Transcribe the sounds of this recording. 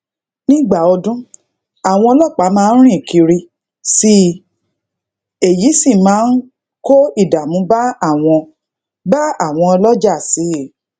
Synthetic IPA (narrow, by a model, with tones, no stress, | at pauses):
nĩ˦ɡ͡ba˦˨ɔ˧dũ˦ | a˦˨w̃ɔ̃˧ɔ˧lɔ˦˨k͡pa˨˦mãː˦˧˦n̩˦ɾ̃ĩ˦˨ki˧ɾi˧ | si˧ | e˨ji˨˦sĩ˦˨mãː˨˦n̩˦ | ko˦i˦˨da˨mũ˨˦ba˦a˦˨w̃ɔ̃˧ | ba˦a˦˨w̃ɔ̃˧ɔ˧lɔ˦d͡ʒa˦˨si˨˦˨